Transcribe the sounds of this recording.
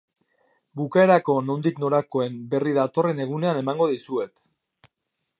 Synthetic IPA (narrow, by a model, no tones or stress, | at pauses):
bukae̞ɾako̞no̞nd̪ikno̞ɾako̞e̞mbe̞riðat̪o̞re̞ne̞ɣ̞une̞ane̞maŋɡo̞ðisue̞t̪